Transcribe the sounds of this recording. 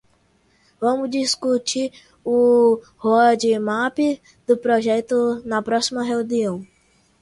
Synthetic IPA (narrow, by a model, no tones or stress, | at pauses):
vɐ̃mʊzd͡ʒiskut͡ʃiɾ | ʊ | hoɐd͡ʒɪmapi | d̪̥ʊpɾoʒɛt̪ʊnɐpɾɔsimɐɦeũniɐ̃w̃